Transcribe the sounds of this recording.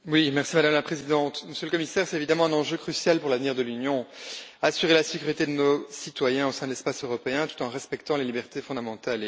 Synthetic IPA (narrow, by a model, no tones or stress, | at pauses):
wimɛʁsimad̪amlapχezid̪ɑ̃t̪məsjøləkɔmisɛʁsɛt̪evid̪amɑ̃ɛ̃nɑ̃ʒøkχysjalpuʁlavniʁd̪əlynjɔ̃asyʁelasekʲyʁit̪ed̪ənosit̪wajɛ̃osɛ̃d̪əlɛspasøʁɔpeɛ̃t̪u̥t̪ɑ̃ʁɛspɛkt̪ɑ̃lelibɛʁt̪efɔ̃d̪amɑ̃t̪al